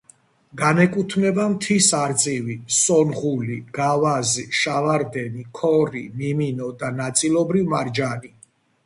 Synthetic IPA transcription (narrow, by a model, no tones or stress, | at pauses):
ɡanɛkʼut̪ʰmɛbamt̪ʰisaɾt̪sʼivisɔnʁuliɡ̥avaziʃavaɾd̪ɛnikʰɔɾimiminɔd̪anat̪sʼilˠɔbɾivmaɾd͡ʒani